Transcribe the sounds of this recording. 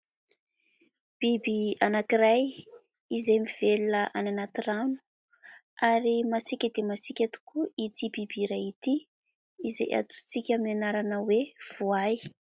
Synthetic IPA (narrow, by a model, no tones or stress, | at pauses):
b̥ibianakiɾaj | izemiv̥elunəʔananat̪iranu̥ | aɾimasikʲəd̪emasikʲat̪u̥kuit̪ibibiɾajit̪iː | zḛjʔa̰t̪u̥t͡sikʲəmianaɾanəwev̥uaj